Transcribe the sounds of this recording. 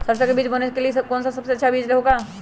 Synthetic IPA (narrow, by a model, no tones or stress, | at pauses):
səɾsakebiːt͡ʃbənekelikɔːnsasɐbseɐtːʃʰabiːt͡ʃɾeɦoɡa